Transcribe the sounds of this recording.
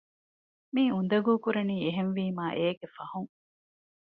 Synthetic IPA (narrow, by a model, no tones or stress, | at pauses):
miːun̆d̪ɐɡuːkuɾeniːeɦenʋiːmaːʔeːɡefɐhuŋ